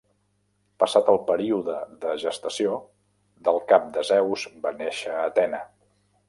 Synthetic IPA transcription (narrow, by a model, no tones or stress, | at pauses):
pəsat̪əlˠpəɾiuðəðəʒəst̪əsio | ðəlˠkap̚d̪əzɛwzbaneʃəːt̪ɛnə